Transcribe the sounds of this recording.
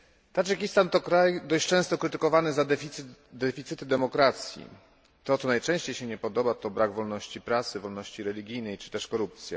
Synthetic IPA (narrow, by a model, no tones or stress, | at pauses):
t̪aʐɛkʲist̪ant̪ɔkɾajd̪ɔɕt͡ɕt͡ʂɛ̃w̃st̪ɔkɾɘt̪ɘkɔvanɘzad̪ɛid̪ɛfʲit̪sɘt̪ɘd̪ɛmɔkɾat̪sʲjḭ | t̪ɔt̪sɔnajt͡ʂɛ̃w̃ɕt͡ɕejɕɛɲɛpɔd̪ɔbat̪ɔbɾaɡvɔlnɔɕt͡ɕipɾat̪sɘvɔlnɔɕt͡ɕiɾɛlʲiɡʲijnɛjt͡ʂɘ̥t̪ɛʂkɔɾup̚t̪sʲja̰